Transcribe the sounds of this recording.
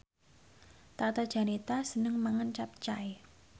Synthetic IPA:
t̪at̪ad̥ʒ̥a̤nit̪asənəŋmaŋənt͡ʃap̚t͡ʃae

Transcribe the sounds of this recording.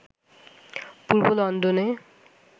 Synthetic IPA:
puɹbolɔnd̪une

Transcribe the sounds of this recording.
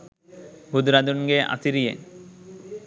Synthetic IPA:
bud̪ɾad̪unɡeʔa̰siɾijḛ

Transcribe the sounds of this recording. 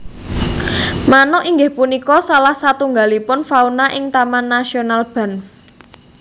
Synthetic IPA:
manɔʔiŋɡɪhpunikɔsalahsat̪uŋɡalipʊnfaunaʔɪŋt̪amanːasionalb̥a̤n

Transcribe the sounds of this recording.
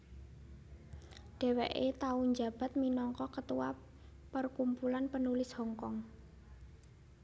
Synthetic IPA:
ɖ̥ɛ̤weʔet̪auɲd͡ʒa̤b̥a̤t̪̚minɔŋkɔkət̪uwa̰ | pərkumpulanpənulɪshɔŋkɔŋ

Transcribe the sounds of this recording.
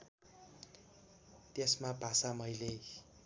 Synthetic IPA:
t̪esmabʱasamʌjle

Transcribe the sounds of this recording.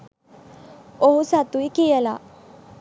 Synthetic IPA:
oɦusat̪ujkijəla̰

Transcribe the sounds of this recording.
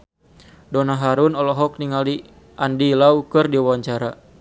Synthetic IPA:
dɔnaɦaɾunɔlɔɦɔk̚niŋali | ʔandilaukɨrdiawaɲt͡ʃaɾa

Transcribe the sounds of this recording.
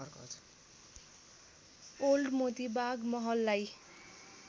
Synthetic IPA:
rkʌ̰ | olɖmot̪ibaɡmʌɦʌlːaj

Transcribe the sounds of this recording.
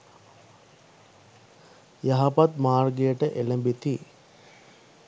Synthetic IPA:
jaɦapat̪maːrɡejəʈəʔeləmbit̪i

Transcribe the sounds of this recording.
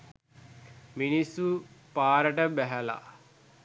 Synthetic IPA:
minisːupaːɾəʈəbæɦæla̰

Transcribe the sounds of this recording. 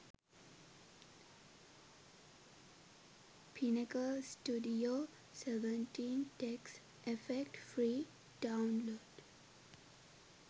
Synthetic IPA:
pʰinekəsʈuɖio | seʋə̃nʈĩnʈeks | efekʈfɾiː | ɖãʊnloːɖ

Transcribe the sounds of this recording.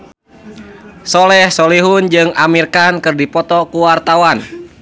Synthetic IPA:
sɔlɛhsɔliɦund͡ʒɨŋamirkankɨrdipɔt̪ɔkuwart̪awan

